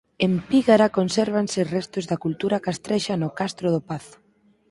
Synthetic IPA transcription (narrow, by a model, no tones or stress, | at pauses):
empiɣaɾakonsɛɾβanserɛst̪ozðakult̪uɾakast̪ɾɛʃanʊkast̪ɾʊðʊpaθʊ̥